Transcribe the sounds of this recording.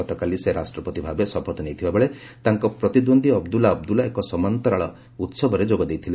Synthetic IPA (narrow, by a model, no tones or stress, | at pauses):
ɔt̪ɔkaliseɾasʈɾɔpɔt̪ibʱabesɔpʰɔt̪ɔnejt̪ʰibabeɭe | t̪aŋkɔpɾɔt̪id̪ond̪ʱiɔbd̪ulaɔbd̪ulaekɔsɔmant̪ɔɾaɭɔ | ut̪sɔbʱɔɾed͡ʒoɡɔd̪ejt̪ʰile